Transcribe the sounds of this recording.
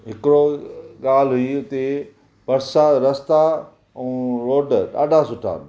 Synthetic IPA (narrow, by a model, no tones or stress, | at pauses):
ɦɪkɪɾoɠaːl̤ɦʊiʊt̪e | pɐɾsaɾɐst̪a | ɛ̃ːɾoːɖɗa̰ːɗʱasʊʈʰa̰ː